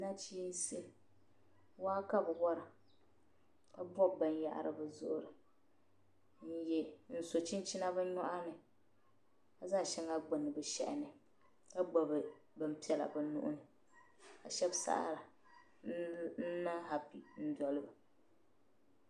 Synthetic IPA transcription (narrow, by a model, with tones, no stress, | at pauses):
na˦t͡ʃiː˦n˦se˦ | waː˦ka˦bɨ˨wɔ˦ɾɨ˨ | ka˦bɔ˦˨ba˨n˦ja̰˦ʔa̰˨ɾʔɨ̰˦˨bɨ˨zʊ̰˦ʔʊ˨ɾɨ˨ | n̩˦jɛ˦n̩˨so˨t͡ʃi˦nt͡ʃi˦na˦ba˦nɔ˦ʔa˦nɨ˨ | ka˨za˦˨ʃɛ˦ŋa˦ɡ͡bɨ˨nɨ˨bɛ˨ʃɛ̰˦ʔɪ˨nɨ˨ | ka˦ɡ͡ba˨bɨ˨ | bɨ˨m˦pi˦ɛ˨la̰˨bɨ˨nṵ˦ʔʊ̰˦nɨ˨ | ka˨ʃɛ˦bsa̰˦ʔa̰˦˨ɾa˨ | n̩˦na˦ɦa˨pi˨n̩˦dɔ˨lɨ˦bɨ˨